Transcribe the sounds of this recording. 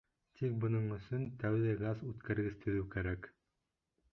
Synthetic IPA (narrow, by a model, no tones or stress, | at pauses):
t̪ik̚bɤ̆nɤɴɵ̆sɵnt̪æwðæɡazʉt̪kæɾɡɘst̪ʰɵ̆ðʉwkæɾæk